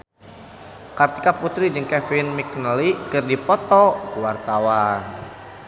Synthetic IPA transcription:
kart̪i̥kaput̪ɾid͡ʒɨŋkɛfinmik̚nəlikɨrdipɔt̪ɔkuwart̪awan

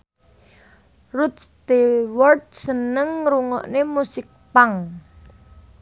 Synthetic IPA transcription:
rut̪̚st̪ewɔrd̪̚sənəŋɾuŋɔ̰ʔnemusɪk̚paŋ

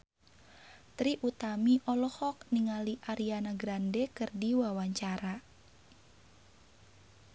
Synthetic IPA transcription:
t̪ɾiʔut̪amiʔɔlɔhɔk̚niŋaliʔaɾianaɡɾandɛkɨrdiwawaɲt͡ʃaɾa

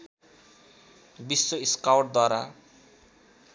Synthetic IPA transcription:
bisːoiskawʈ̚d̪waɾa

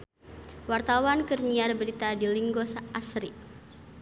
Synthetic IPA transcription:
wart̪awankərɲiarbəɾit̪adiliŋɡɔsaʔasɾi

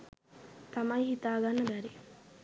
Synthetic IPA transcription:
t̪amajɦit̪aːɡanːəbæɾi

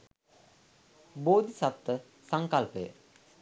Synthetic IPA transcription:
boːd̪isat̪ːə | saŋkalpəjə̰

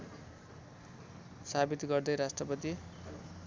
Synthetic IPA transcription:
sabit̪ɡʌrd̪ʌjɾasʈrʌpʌt̪i

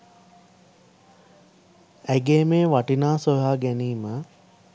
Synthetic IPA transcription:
æɡeːmeːʋaʈinaːsojɦaːɡæniːmə

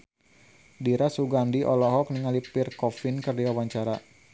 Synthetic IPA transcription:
diɾasuɡandiʔɔlɔɦɔk̚niŋalipɪrkɔfɪnkɨrdiwawaɲt͡ʃaɾa

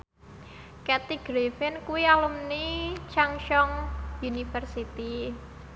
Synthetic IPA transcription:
kat̪iɡ̥ɾefɪnkuwialumnit͡ʃaŋʃɔŋunifərsit̪i

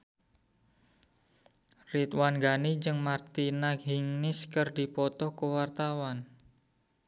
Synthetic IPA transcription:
rit̪wanɡanid͡ʒɨŋmart̪inakɦiŋnɪskərdi̤pɔt̪ɔhkəwart̪awan

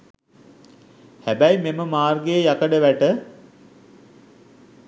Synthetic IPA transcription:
hæbæjmeməmaːrɡejəjakəɖəʋæʈə

